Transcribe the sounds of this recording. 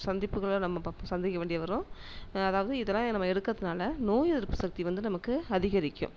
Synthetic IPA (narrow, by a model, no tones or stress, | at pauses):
sɐnd̪ɪpːɯɣɐɭonɐmːɐsɐnd̪ɪkːɐʋeːɳɖɪjɐʋɐɾõː | ɐðaːʋɐðɯɪðɛlːãːnɐmːɐɛɽɯkːɾɐðɯnaːlɐnoːjɐðɪɾpːɯsɐk̚t̪iʋɐnd̪ɯnɐmɐkːɯɐðɪɣɐɾɪkːʊ̰̃m